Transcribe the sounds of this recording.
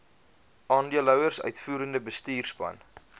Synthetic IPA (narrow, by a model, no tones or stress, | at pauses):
ɑːndiəlœwərsœ̰ɥtfuːɾəndəbəstiːrspɐ̰n